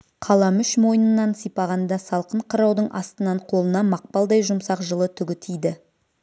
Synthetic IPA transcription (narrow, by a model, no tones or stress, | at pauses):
qʰɑlˠɑmʏʃmo̞jənənːɑnsijpɑʁɑnd̪ɑsɑlˠqəɴqʰəɾɑwd̪əɴʔɑst̪ənɑɴqʰo̞lˠənɑmɑq̚pɑlˠd̪ɑjʒʊmsɑqʒəlˠət̪ʰʏɡʲɪt̪ʰijd̪ɪ